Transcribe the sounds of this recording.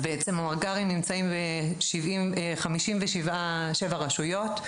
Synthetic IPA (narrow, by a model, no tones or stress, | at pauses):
beet͡semamaʁɡaʁimnimt͡saimbeʃivimeχamiʃimveʃivaʃevaʁaʃujo̞t